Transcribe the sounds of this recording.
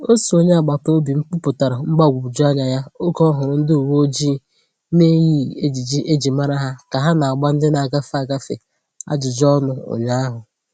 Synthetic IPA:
o˦su˨o˦ɲe˦a˨ɡ͡ba˨po˦bi˨ŋ͡m̩˦k͡pʊ˦pʊ˨ta˨ɾa˨ŋ͡m̩˦ɡ͡ba˦˨ɡʷu˨bu˨d͡ʒu˦a˦ɲa˨ja˦o˦kɔ˦ɦʊ˨ɾʊ˦n̩˦dɪ˦u˨wo˦d͡ʒi˦ | ne˦ji˦e˦d͡ʒi˨d͡ʒi˦ʔe˦d͡ʒi˨ma˦ɾa˦ɦa˦ka˨ɦa˦na˨a˨ɡ͡ba˦n̩˦dɪ˦na˨a˨ɡa˦fa˦˨ɡa˦fḛ˨ | a̰˦d͡ʒɪ˨d͡ʒɔ˦nʊ˦o̰˨ɲa˦a˦ɦʊ˨

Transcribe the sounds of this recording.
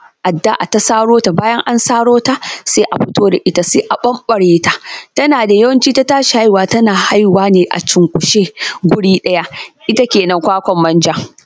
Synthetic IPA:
ʔa˨dːa˦ʔa˨ta˦saː˦ɽoː˦ta˨baː˦jɐ˦ŋʔa˦nsaː˦ɽoː˦ta˦seː˦ʔa˨ɸɪ˦toː˦da˨ʔɪ˦ta˨seː˦ʔa˨ɓɐ˦mɓɐ˨ɽeː˦ta˨tɐ˦naː˨da˨jɐ˦wɐ˦nt͡ʃiː˦ta˦taː˦ʃi˨ha˦jwaː˨tɐ˦naː˨ha˦jwaː˦neː˨ʔa̰˨t͡ʃɪ˨ŋkʷʼʊ˨ʃeː˦ɡʷʊ˦ɽiː˦ɗɐ˦ja˦ʔɪ˦ta˦kʲeː˨nɐ˦ŋkʷaː˦kʷɔ˨mːɐ˦nd͡ʒɐ˦

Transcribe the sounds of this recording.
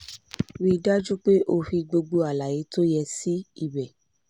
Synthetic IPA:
wi˦da˦d͡ʒu˦k͡pe˦ʔo˧fi˧ɡ͡bo˧ɡ͡bo˧a˨la˨je˨˦to˦jɛ˧si˦i˦˨bɛ˨

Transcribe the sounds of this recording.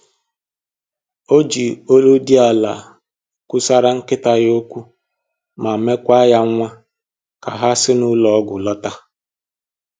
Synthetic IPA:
o˦d͡ʒi˨o˦lo˦di˦a˨la̰˨ | kʷʊ˦sa˦ɾa˦ŋ̩˦kɪ˦ta˦jo˦kʷu˦ | ma˨me˦kʷa˦ja˦ŋʷa˦ | ka˨ɦa˦sɪ˦nʊ˦lɔ˨ɔ˦ɡʷʊ˨lɔ˦ta˦

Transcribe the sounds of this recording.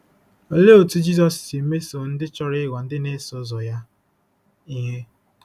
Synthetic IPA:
o˦le˦o˨tu˦d͡ʒi˦zɔ˨ssi˨˦me˦so˨n̩˦dɪ˦t͡ʃɔ˦ɾɪ˦ɡʷa˨n̩˦dɪ˦ne˦sʊ˦zɔ˨ja˦ | i˦ɦe˦

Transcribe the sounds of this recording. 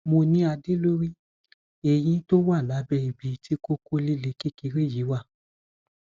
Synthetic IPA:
mo˧nĩ˦a˧de˦lo˦ɾi˦ | e˨j̃ĩ˧to˦wa˦˨la˨˦bɛ˧i˨bi˨˦tʰi˦ko˦ko˦li˦le˧˦ki˦ki˨˧˦ɾe˦˨ji˨˦wa˦˨

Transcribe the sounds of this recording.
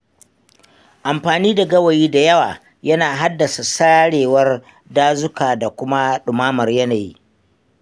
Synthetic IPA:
ʔa˨mɸaː˨niː˦da˨ɡɐ˦wɐ˨jiː˦da˨jɐ˦waː˨ | jɐ˦naː˨ɦa˦dːɐ˨sa˨saː˦ɽeː˨wɐ˦r | daː˦zʊ˦kaː˨da˨kʷʊ˦ma˦ɗʊ˨maː˦mɐ˨rjɐ˦naː˨jḭ˦

